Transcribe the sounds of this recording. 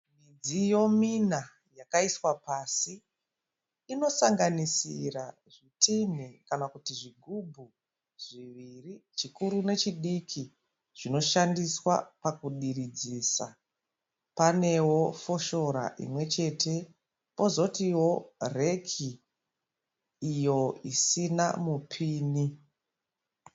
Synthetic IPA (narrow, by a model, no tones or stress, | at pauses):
mid͡zijo̞mina | jakaiswapaːsi | no̞saŋɡanisira | ʐitin̤ikanakutiʐiɡʱubʱu | ʐ̥iʋirit͡ʃikuɾune̞t͡ʃiɗikʰi | ʐ̥ino̞ʃandiswa̰pakuɗirid͡zisa | pane̞wo̞fo̞ʃo̞ɾa̰ʔḭmwe̞t͡ʃe̞ːtʰe̞ | po̞zo̞tiwo̞re̞kʰi | jo̞isina̰mupʰiːni